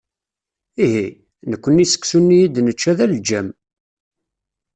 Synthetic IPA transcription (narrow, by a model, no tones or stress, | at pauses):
iɦi | nəkʷːənːisə̥ksunːijid̪nət͡ʃːæðæld͡ʒæm